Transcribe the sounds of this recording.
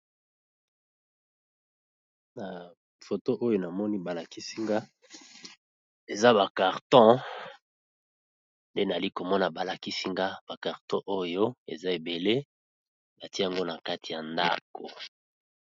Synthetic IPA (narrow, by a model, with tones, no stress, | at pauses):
na˨ | fo˨to˦ʔo˦jo˦na˨mɔ˦ni˦ba˨la˨ki˦si˦ŋɡa˦ | e˨za˦βa˨ka˨ʁtɔ̃˦ | nde˦na˨li˦ko˨mɔ˦na˨ba˨la˨ki˦si˦ŋɡa˦b̥a˨ka˨ʁtɔ̃˦ʔo˦jo˦ḛ˨za˦e˨be˨le˦ | ba˨ti˦ja˨ŋɡo˦na˨ka˦ti˨ja˨nda̰˦ko˨